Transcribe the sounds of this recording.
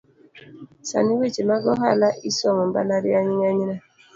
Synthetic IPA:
sa̰niwet͡ʃemaɡɔɦalaʔisɔŋɔm̩ba̰laɾiaɲiŋaɲina

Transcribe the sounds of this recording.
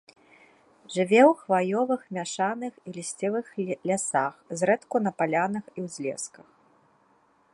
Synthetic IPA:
ʐɨvʲɛwxvajɔvɨxmʲaʂanɨxilʲisʲt͡sʲɛvɨxlʲasaxzɾɛt̪kunɐpalʲanɨxiwzʲlʲɛ̰skɐx

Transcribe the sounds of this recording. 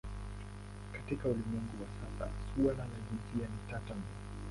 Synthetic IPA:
katikaulimwɛŋɡuwasasa̰sualalaʄinsianitatamu

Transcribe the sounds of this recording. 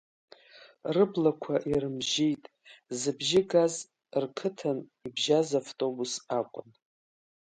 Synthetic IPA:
rɨblakʷʰaʔiɾɨmʒejtʼ | zɨbʒɪɡaz | rkʰɨtʰanibʒazaftʼo̞busakʷʼʊn

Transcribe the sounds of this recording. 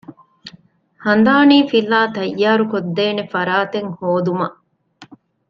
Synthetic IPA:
hɐnd̪aːniːfilːaːt̪ɐjːaːɾukod̪ːeːnefɐɾaːt̪eŋhoːd̪umɐʔ

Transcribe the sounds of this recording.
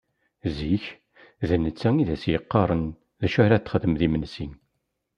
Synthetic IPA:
ziç | ðənːət͡sːæŋiðæsjəqːɑɾˤən | ðæʃæɾæt̪ːəχəðəmðimənsin

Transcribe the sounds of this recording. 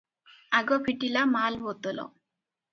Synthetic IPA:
aɡɔpʰiʈilamalbɔt̪ɔlɔ̰

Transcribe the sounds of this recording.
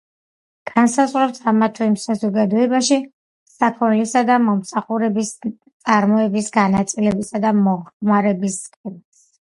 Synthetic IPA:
ɡ̥ansazʁɾɛpsʰamat̪ʰɛimsazɔɡad̪ɔɛbaʃi | sakʰɔnlisad̪amɔmsaχuɾɛbist̪sʼaɾmɔɛbisɡanat̪sʼilɛbisad̪amɔʁχmaɾɛbisːkʰʼɛmas

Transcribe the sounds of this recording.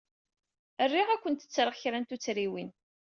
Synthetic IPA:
ərːiʁækʷːənt̪ə̥t͡sːɾˤəʁçɾænt̪ut͡sːɾiwin

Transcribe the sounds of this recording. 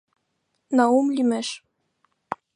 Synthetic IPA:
nɑumlʲimɘʃ

